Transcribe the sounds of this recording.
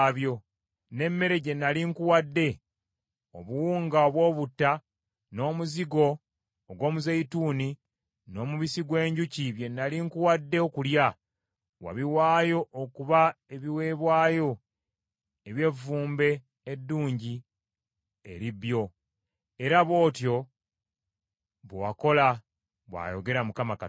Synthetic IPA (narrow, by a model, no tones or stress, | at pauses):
βjo̞ | ne̞mːe̞ɾe̞ɟe̞nːaliŋkuwadːe̞ | o̰βuwuːŋɡaoβwo̞ːβutːa | no̞ːmuziɡo̞ː | ɡwo̞ːmuzeituːni | no̞ːmuβisiɡwe̞ːɲɟuciβje̞nːaliŋkuwadːe̞okulja | wa̰βiwaːjo̞ʔokuβae̞βiwe̞βwaːjo̞ | eβje̞vːuːmbe̞ː | dːuːɲɟi | ḛɾibjo̞ | e̞ɾaβwo̞ːtjo̞ | βowako̞la | βwa̰ːjo̞ɡe̞ɾamukamaka